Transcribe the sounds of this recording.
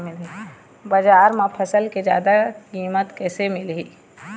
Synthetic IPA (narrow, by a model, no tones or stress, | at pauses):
mɪlɦi | bəd͡ʒaːɾmãpʰəsəlked͡ʒja̰ːd̪akiːmət̪kɛːsemɪlɦiː